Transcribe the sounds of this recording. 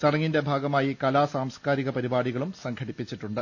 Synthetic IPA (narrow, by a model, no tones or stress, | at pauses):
t͡ɕɐɽɐŋːinde̞bʱaːɡɐmaːjikɐlaːsaːmskaːɾiɣɐpɐɾibaːɽiɣɐɭumsɐŋɡʰʱɐɽipːit͡ɕːiʈːuɳɖɨ